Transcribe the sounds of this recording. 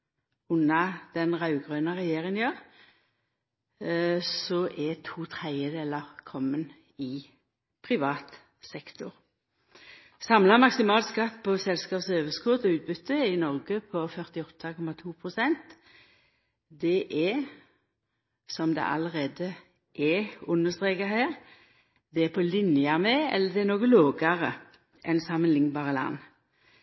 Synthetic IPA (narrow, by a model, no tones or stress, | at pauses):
ʉnɑd̪̥ɛnʁɑʉɡʁøːnəʁɛjeːʁɪŋənjøːʁ | sɔʔɛt̪ʰuːt̪ʰʁæɪəd̪eːləʁkʰɔmːən | ɪ | pʰʁɪʋɑːt̪ | sɛkt̪ʊʁ | sɑmlɑmɑksɪmɑːlskɑt̪ːpʰɔsɛlskɑːpsøːʋəskuːʁd̪ɔʉːt̪̚bʏt̪ʰːəɪnɔʁɡəpʰɔfœʁt̪ɪɔt̪ʰːɑkʰɔmɑt̪ʰuːpʰʁʊsɛnt̪ | d̪ɛʔɛ | sɔmd̪ɛ̰ʔɑləʁeːd̪ə | ʔɛʊnːəst̪ʁeːkɑɦæːʁ | d̪ɛɛpʰɔlɪnjɑmɛɛ̰lːəd̪ɛɛnoːɡəloːɡɑʁə | ʔɛnsɑmənlɪŋbɑːʁəlɑ̰nː